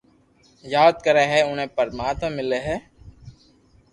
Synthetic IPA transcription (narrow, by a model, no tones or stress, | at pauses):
jaːd̪̚kəɾeːɦɛʊnɦẽːpəɾmaːt̪mə̃mːɪleɦɛː